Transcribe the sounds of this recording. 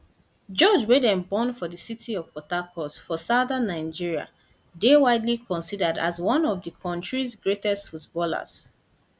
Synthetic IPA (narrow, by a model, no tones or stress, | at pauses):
d͡ʒɔd͡ʒwedɛ̃nbɔ̃nfɔðəsitʰiɔv̥pɔtakʰɔsfɔsadanːaɪ̃d͡ʒiɹia̰ | dewaɪdlikʰɔ̃nsidəda̰zwɔ̃nɔvdəkʰɔ̃ntɹizɡɹetɛstfutbɔla̰z̥